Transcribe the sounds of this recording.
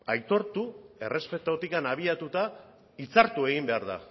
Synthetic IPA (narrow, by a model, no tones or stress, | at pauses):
ajt̪o̞ɾt̪ue̞re̞spe̞t̪o̞t̪ikanaβ̞iat̪ut̪a | it͡saɾt̪ue̞ɣ̞imbe̞aɾða̰